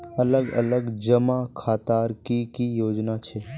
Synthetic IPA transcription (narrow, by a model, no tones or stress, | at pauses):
ɐləɡɐ̰ləɡd͡ʒəmakʰaːt̪aːɾkikijoːd͡ʒnat͡ʃʰe